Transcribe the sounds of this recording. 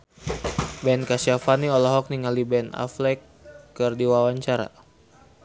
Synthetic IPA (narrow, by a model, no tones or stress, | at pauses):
bɛnkasiafaniɔlɔɦɔk̚niŋalibɛna̰flɛkː | ərdiwawaɲt͡ʃaɾa̰